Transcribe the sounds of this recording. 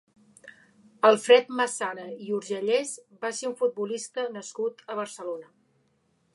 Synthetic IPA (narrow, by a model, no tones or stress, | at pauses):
əlˠfɾɛt̪məsanəiuɾʒəʎɛzbaseuɱfut̪̚bulist̪ənəskut̪əβ̞ərsəlonə